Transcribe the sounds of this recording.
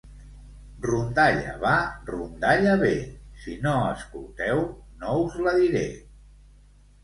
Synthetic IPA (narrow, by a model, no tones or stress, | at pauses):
rund̪aʎə̰βarund̪aʎəβesinoəskulˠt̪ɛwnouzləðiɾe